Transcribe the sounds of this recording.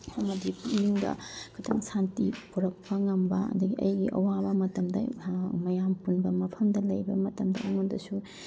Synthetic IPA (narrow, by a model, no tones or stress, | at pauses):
ɐmɐdipuniŋdɐ̰ɡ̥ɐtʰɐ̰ŋsantipuɾɐk̚pɐŋɐmbɐɐ̰dɐɡiʔɐ̰jɡiʔɐ̰wabɐmɐtɐmdɐ̰mɐjampunbɐmɐpʰɐmdɐlɐjbɐmɐtɐmdɐ̰ɐŋondɐsu